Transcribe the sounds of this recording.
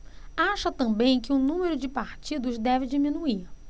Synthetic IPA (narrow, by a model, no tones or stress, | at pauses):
aʃɐt̪ɐ̃bẽj̃kɪũnũmeɾʊd͡ʒɪpaɾt͡ʃid̪ʊzd̪ɛvɪd͡ʒimĩnuiɾ